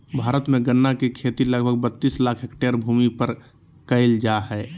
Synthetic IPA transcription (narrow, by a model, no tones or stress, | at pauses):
bʱaːɾət̪mẽɡənːakekʰeːt̪iləɡbʱəɡ̚bət̪ːiːslaːkʰɦekʈeɾbʱuːmipəɾ | kəɪld͡ʒaɦɛː